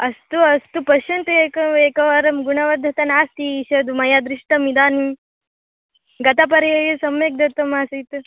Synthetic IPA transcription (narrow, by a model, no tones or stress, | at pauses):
ɐst̪uɐst̪upɐʃɐnt̪ɐeːkɐeːkɐʋaɾɐmɡuɳɐʋɐd̪ʱɐt̪ɐnaːst̪iːʃɐd̪umɐjad̪ɾiʂʈɐmid̪aːni | ɡɐt̪ɐp̬ɐɾɐjɐjɐsɐmjeːk̚d̪ʱɐt̪ːɐmaːsit̪